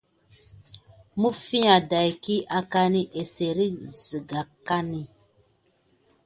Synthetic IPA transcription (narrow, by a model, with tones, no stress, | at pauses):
mu˦fi˦ã˨da˨jki˦ʔa˨ka˦ni˦ʔe˨se˨ɾi˦zi˨ɡa˨ka˦ni˨